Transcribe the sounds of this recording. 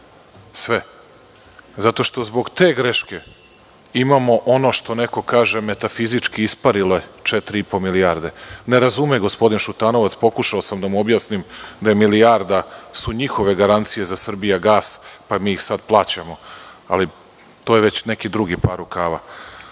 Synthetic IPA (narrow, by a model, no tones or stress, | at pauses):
sʋe | zat̪o̞ʃt̪o̞zbo̞ɡt̪eːɡɾeʃke̞ | imamo̞ʔo̞no̞ʃt̪o̞ne̞ko̞kaːʒe̞me̞t̪afizit͡ʃkiispaɾiloet͡ʃet̪ɾiipo̞miliaɾd̪e̞ne̞ɾazumeɡo̞spo̞d̪inʃut̪aːno̞ʋat̪spo̞kuʃaosamd̪amuobjasnimd̪ajemiliaɾd̪asuɲixo̞ʋe̞ɡaɾant̪sije̞zasr̩bijaɡaːspamiːixsad̪plˠaːt͡ɕamoa̰li | t̪o̞jeʋe̞t͡ɕnekid̪ɾuɡipaɾukaːʋa̰